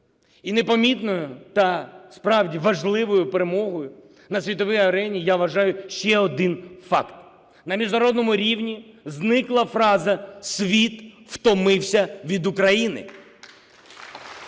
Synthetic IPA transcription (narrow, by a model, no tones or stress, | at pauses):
inepɐmʲit̪nɔjʊt̪ɐspɾɑwdʲiʋɐʒlˠɪʋɔjʊpeɾemɔɦɔjʊ | nɐsʲʋʲit̪ɔʋɛjɐɾɛnʲijaʋɐʒɑjʊʃt͡ʃɛɔd̪ɪnfɑkt̪ | nɐmʲiʒnɐɾɔd̪nɔmʊɾʲiwnʲiznɪklˠɐfɾɑzɐsʲʋʲit̪ | ft̪ɔmɪwsʲɐʋʲid̪ʊkɾɐjinɪ̰